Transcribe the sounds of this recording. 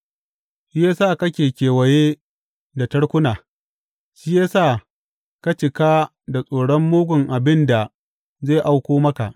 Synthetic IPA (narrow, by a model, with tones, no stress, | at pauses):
ʃiː˦ja˦saː˦˨kɐ˦kʲeː˨kʲeː˨wɐ˨jeː˦ | da˨tɐ˦ɽkʷʊ˦naː˨ | ʃiː˦ja˦saː˦˨ | ka˦t͡ʃɪ˨kaː˦ | da˨sʼoː˨ɽɔ˦mːoː˦ɡʷʊ˨ŋʔa˨bɪ˦nda˨ | zeː˦˨ʔa˦wkʷoː˦mɐ˦ka˨ʔ